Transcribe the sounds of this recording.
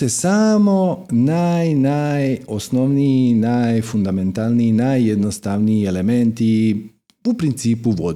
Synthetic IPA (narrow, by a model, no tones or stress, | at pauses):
esamo̞najnajosno̞ʋniinajfund̪amẽ̞nt̪alniinaːjːed̪nost̪aʋniiele̞ment̪i | upɾint̪siːpuʋo̞̰d̪